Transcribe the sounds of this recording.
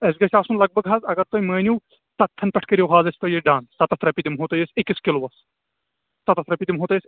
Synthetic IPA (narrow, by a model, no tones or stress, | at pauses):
ɐsʲɡɐsʲaːsunlɐɡ̚bɐɡɦaːzɐɡɐɾt̪ojmɐːnʲuw | t̪ɐt̪ʰːɐnpʲɐʈʰkɐɾʲjowɦaːzɐsʲt̪ojeɖãːnt̪ɐt̪ɐt̪ʰɾɐpʲid̪imɦoːt̪ɐjɐsʲekːiskʲiloʋɐs | t̪ɐt̪ɐt̪ɾɐpʲid̪imɦoːt̪ɐjsʲ